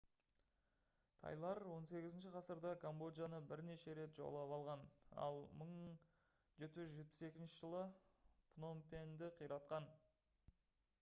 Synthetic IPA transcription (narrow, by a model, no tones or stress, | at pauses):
t̪ʰɑ̰jlˠɑɾwo̞nse̞ɡʲɪzɪnʃ̬ɪqʰɑsəɾd̪ɑkʰombo̞d̪janəbɪɾne̞ʃe̞ɾe̞t̪ʒ̥o̰lˠɑpɑlˠʁɑnɑ̰lˠməɴ | ʒe̞t̪ːɪʒʏzʒe̞t̪̚pɪ̥se̞kʲɪnʃɪʒəlˠəpʰno̞mpend̪ɪqʰijɾɑt̪̚qɑn